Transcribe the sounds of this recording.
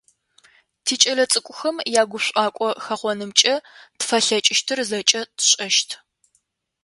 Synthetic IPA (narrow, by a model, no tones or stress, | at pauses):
tʰiːt͡ʃʼɐɮɐt͡sʼɨkʷʼʊxɐmjaːɡʷʊpɕʷʼɑːkʷʼɔxɐχʷɔnɨmt͡ʃʼɐtfɐɬɐt͡ʃʼɪʃtʰɨrzɐt͡ʃʼɐtʰɕʼɐʃtʰ